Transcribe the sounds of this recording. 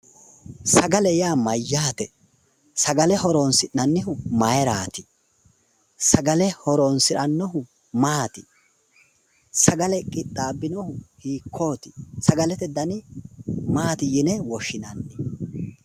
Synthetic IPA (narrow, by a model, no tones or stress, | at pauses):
sɐɡɐlɛjaːmɐjːaːt̪ɛ | sɐɡɐlɛhɔɾoːnsɪnɐnːɪhʊmɐjɛɾaːt̪ɪ̥ | sɐɡɐlɛhɔɾoːnsɪɾɐnːɔhʊ | maːt̪ɪ̥ | sɐɡɐlɛkʼɪt̪ʼːaːbːɪnɔhʊhiːkʰːoːt̪ɪ̥sɐɡɐlɛt̪ɛd̪ɐnɪ | maːt̪ɪjɪnɛwɔʃɪnɐnːɪ